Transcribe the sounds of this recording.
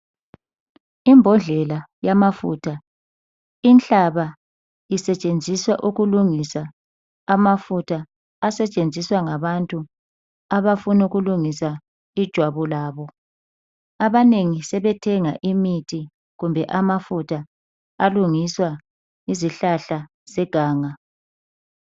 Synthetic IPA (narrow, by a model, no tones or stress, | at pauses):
imbʱɔnd͡ɮʱɛla | jamafṵtʰa | int͡ɬaβa | isɛt͡ʃʼend͡zʱiswaʔuɣuluŋisaː | mafutʰaː | sɛt͡ʃʼend͡zʱiswaŋaβantʼu | aβafunuɣuluŋisa | id̥ʒ̥ʱwaβulaːβɔ | aβaneŋisɛβɛtʰɛŋaʔimitʰi | ɣumbʱɛʔamafutʰa | aluŋiswa | iziɬaɬa | sɛɡ̥ʱaːŋa